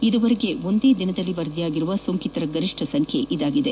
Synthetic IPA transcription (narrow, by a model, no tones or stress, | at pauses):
id̪uʋɐɾeɡe̞o̞nd̪e̞ːd̪inɐd̪ɐlːiʋɐɾd̪ijaːɡiɾuʋɐsoŋkit̪ɐɾɐɡɐɾiʂʈʰɐsɐŋkʰḛʔid̪aːɡid̪e